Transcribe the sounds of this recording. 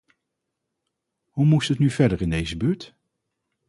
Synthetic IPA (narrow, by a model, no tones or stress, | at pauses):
humustətnyv̥ɛɹdəɹɪndejzəbyːɹt